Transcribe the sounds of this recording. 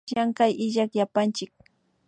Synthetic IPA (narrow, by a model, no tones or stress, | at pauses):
jaŋkajʔɪʎakjapant͡ʃɪk̚